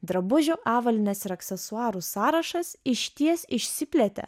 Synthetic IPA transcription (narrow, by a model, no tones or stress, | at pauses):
d̪ɾɐbʊʒʲoʔɑːʋɐlʲɪnʲɛsɪɾɐksʲɛsʊɑːɾusɑːɾɐʃɐsɪʃʲt̪ʲiɛsɪʃʲsʲɪpʲlʲɛt̪ʲɛ̰